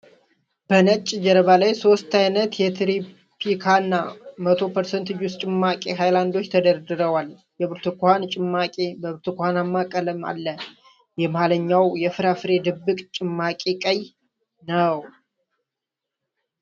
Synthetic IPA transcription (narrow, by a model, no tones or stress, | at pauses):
b̥ənət͡ʃʼːd͡ʒɛɾəβalajso̞st̪ajnət̪jɛt̪ʰɾi | pʰikʰanːamət̪ʰo̞pʰəɾsənt̪ʰɨd͡ʒust͡ʃʼɪmːakʼeɦajland̪o̞t͡ʃːt̪ʰəd̪əɾd̪ɨɾəwal | jɛbɨɾt̪ʰukohant͡ʃʼɪmːakʼe̞bəβɨɾt̪ʰukʷhanamːakʼələma̰lːə | jɛmaləɲːawjɛfɨɾafɨɾe̞d̪ɨbːɨkʼt͡ʃʼɪmːakʼekʼəj | nəw